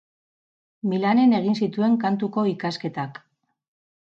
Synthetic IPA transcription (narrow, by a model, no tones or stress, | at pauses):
milane̞ne̞ɣ̞insit̪ue̞ŋkant̪uko̞ikaske̞t̪ak